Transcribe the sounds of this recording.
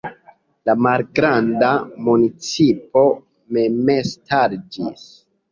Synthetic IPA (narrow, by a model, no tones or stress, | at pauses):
lamalɡɾandamunit͡sipo̞ | memestaɾd͡ʒis